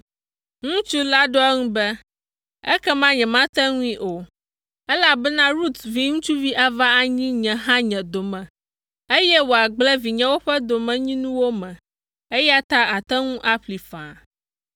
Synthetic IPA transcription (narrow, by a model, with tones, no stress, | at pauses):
ŋũ˦t͡ʃu˦la˦ɖo˦ɛ˦ŋũ˦bɛ˦ | ɛ̰˦kɛ˦mã˦ɲɛ̃˨mã˦t̪ɛ˦ŋũ˦ĩ˦ʔo˨ | ɛ˦la˦bɛ˦nã˦ɾu˦t̪vi˨ŋũ˦t͡ʃu˦vi˦ʔa˦va˦a˨ɲĩ˦ɲɛ̃˨ɦã˦ɲɛ̃˨d̪o˨mɛ̃˨ | e˦jɛ˦wo˨a˨ɡ͡blɛ˦vi˨ɲɛ̃˦wo˦ɸɛ˦d̪o˨mɛ̃˨ɲĩ˦nũ˦wo˦mɛ̃˨ | e˦jɛ˦a˦t̪a˦a˨t̪ɛ˦ŋũ˦ʔa˦ɸli˨fã̰˨